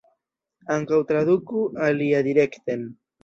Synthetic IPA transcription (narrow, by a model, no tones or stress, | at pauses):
aŋkawt̪ɾaðʊkʊaliad̪iɾekt̪em